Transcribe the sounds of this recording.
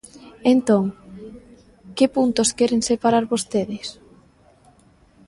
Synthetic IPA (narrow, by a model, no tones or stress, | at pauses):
ent̪oŋ | kɪpunt̪oskɛɾeŋsepaɾaɾβost̪eðɪs